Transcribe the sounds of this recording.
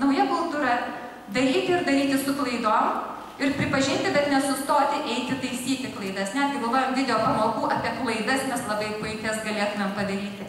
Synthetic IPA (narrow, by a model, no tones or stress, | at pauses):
nɐʊjɛkʊlˠt̪uːɾɐ | d̪ɐɾʲiːt̪ʲɪɪɾd̪ɐɾʲiːt̪ʲɪsʊklˠɐɪd̪oːm | ɪɾpʲɾʲɪpɐʒʲɪnʲt̪ʲɪbʲɛt̪nʲɛsʊst̪oːt̪ʲɪʔɛɪt̪ʲɪt̪ɐɪsʲiːt̪ʲɪklˠɐɪd̪ɐsnʲɛt̪ɐɪbɐlˠʋoːjoːmd̪ʲɪd̪ʲɛjoːpɐmoːkuːʔɐpʲiɛklˠɐɪd̪ɐsmʲɛslˠɐbɐɪpʊɪkʲɛsɡɐlʲeːt̪ʊmʲɛmpɐd̪ɐɾʲiːt̪ʲɪ